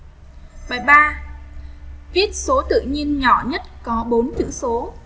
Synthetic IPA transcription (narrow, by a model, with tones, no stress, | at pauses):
ɓaː˨˩jɓaː˧ | vi˦˥ət̚so˨˦t̪ɨ̰˧˨ɲi˧ənɲɔ˧˩ɲə˦˥t̚kɔ˨˦ɓo˨˦nt͡ɕɨ̰˧˥so˨˦